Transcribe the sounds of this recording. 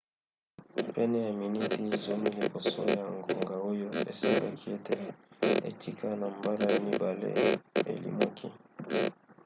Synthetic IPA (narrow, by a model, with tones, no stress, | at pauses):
pɛ˦nɛ˦ja˨mi˨ni˦ti˦˨zo˦mi˦li˨bo˨so̰˦ja˨ŋɡo˨ŋɡa˨o˦jo˦ḛ˨si˦ba̰˦kʰi˦e˦te˦ḛ˨tʰi˦kʰa˦na˨mba˦la˦ja˨mi˦ba˨lḛ˦ḛ˨lḭ˦ma˦kʰi˦